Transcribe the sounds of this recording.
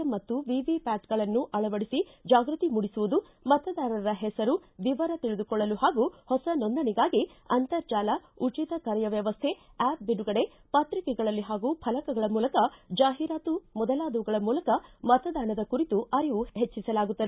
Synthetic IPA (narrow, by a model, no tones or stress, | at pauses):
ɐmɐt̪ːuʋiʋipaːʈɡɐɭɐnːuʔɐɭɐʋɐɽisid͡ʒaːɡɾut̪imuɽisuʋud̪u | mɐt̪ɐd̪aːnɐɾɐɦɛsɐɾuʋiʋɐɾɐt̪iɭid̪ukɔɭːɐluɦaːɡuhɔsɐnond̪ɐɳiɡaːɡi | ɐnt̪ɐɾt͡ʃaːlɐut͡ʃit̪ɐkɐɾjɐʋjɐʋɐst̪ʰe̞ | ɛːp̚binuɡɐɽe̞ | pɐt̪ɾikɛɡɐɭɐlːiɦaːɡuːpʰɐlɐkɐɡɐɭɐmuːlɐkɐd͡ʒaːɦiɾaːt̪umɔd̪ɐlaːd̪ɐʋuɡɐɭɐmuːlɐkɐmɐt̪ɐd̪aːɳɐd̪ɐkuɾit̪uʔɐɾiʋuhet͡ʃːisɐlaːɡut̪ːɐd̪e